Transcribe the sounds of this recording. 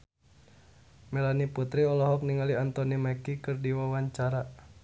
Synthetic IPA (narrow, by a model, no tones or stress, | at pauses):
mɛlaniput̪ɾiɔlɔɦɔk̚niŋaliant̪ɔnimakikɨrdiwawaɲt͡ʃaɾa